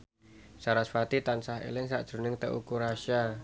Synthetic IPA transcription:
saɾasfat̪it̪ansaɦḛlɪŋsa̰ʔd̥ʒ̥ɾṳnɪŋt̪əʔṵkuɾaʃa

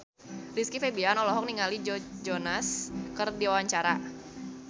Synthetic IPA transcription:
riskifebianɔlɔɦɔk̚niŋalid͡ʒɔd͡ʒɔnaskərdiwawaɲt͡ʃaɾa

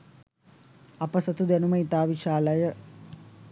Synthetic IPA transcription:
ɐpəsət̪ud̪ænuməit̪aːʋiʃaːləjə

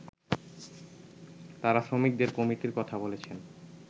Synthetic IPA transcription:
t̪aɾaʃɾomik̚d̪eɾkomiʈiɾkɔt̪ʰabolet͡ɕʰen

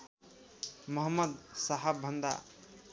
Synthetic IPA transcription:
mʌɦəmːʌd̪saɦəbʱʌnd̪a̰

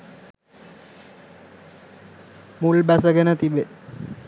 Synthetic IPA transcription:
mulbæs̬əɡenət̪ibe

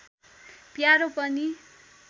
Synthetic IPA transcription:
pjaɾopʌni

